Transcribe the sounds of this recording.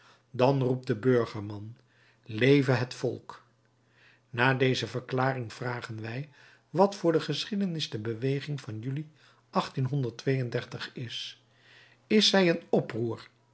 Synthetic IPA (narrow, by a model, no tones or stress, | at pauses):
dɑnrup̚dəbøɹχəɹmɑn | lejvəɦətfɔ̰lˠk | naːdejzəvəɹklaːrɪŋv̥raːχənʋɛj | ʋɑtfʊːɹdəχəsχidənɪsdəbəʋejχɪŋvɑnjyli | ʔɑχtinɦɔndəɹtʋejəndɛɹtəχɪs | ɪsɛjənɔpruːɹ